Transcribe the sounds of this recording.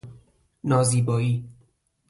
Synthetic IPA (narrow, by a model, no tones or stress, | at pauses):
nɒːziːbɒːiː